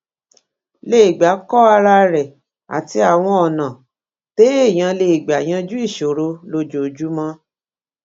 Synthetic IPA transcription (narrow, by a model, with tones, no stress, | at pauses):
le˦˨i˨ɡ͡ba˨˦kɔ˦a˧ɾa˧ɾɛ˨ | a̰˨ti˧a˨w̃ɔ̃˧ɔ˨nã˨ | te˨˦e˦˨j̃ã˧le˧i˨ɡ͡ba˨j̃ã˧˦d͡ʒu˦i˦˨ʃo˨ɾo˧lo˧˦d͡ʒo˨d͡ʒu˨˦mɔ̃˦